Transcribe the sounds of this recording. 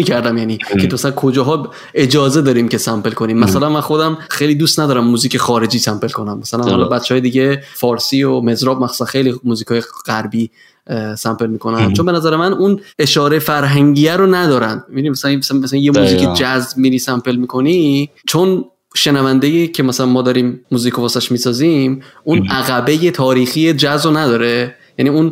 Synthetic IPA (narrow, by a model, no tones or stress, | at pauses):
miːcʰæɾd̪æmjæniːcʰemæsælænkʰo̞d͡ʒɒːɦɒː | e̞d͡ʒɒːze̞d̪ɒːɾiːmce̞sæmpelkʰo̞niːmːæsælænmænxo̞d̪æmxejlid̪uːst̪næd̪ɒːɾæmːuːziːcʰexɒːɾe̞d͡ʒiːsæmpe̞lkʰo̞næmːæsælænhɒ̰lɒbæt̪t͡ʃʰːehɒːjed̪iːɟefɒːɾsiːome̞zɾɒːb̚mæxsu̥sænxe̞jlimuːziːkʰɒːjeɢæɾbiː | sæmpe̞lmiːkʰo̞næt͡ʃʰombe̞næzæɾemænune̞ʃɒːɾefæɾɦæŋɟijæɾonæd̪ɒːɾænd̪̚mebinimæsælænmæslænmæslænjemuziked͡ʒæzmiɾiːsæmpʰe̞lmiːkʰo̞ni | t͡ʃʰo̞n | ʃe̞nævænd̪ejiːcʰe̞mæsælænmɒːd̪ɒːɾiːmmːuːziːkʰovɒːsæʃmiːsɒːzimʔunʔæɣæbe̞je̞t̪ʰɒːɾiːxie̞d͡ʒæzbonæd̪ɒːɾe̞ | jæniːun